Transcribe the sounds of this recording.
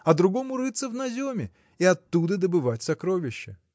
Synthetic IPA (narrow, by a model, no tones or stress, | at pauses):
ɐd̪ɾʊɡo̞mʊɾɨt̪səvnɐzʲomʲɪ | ɪɐt̪ːud̪əd̪əbɨvatʲsɐkɾo̞vʲɪɕːɪ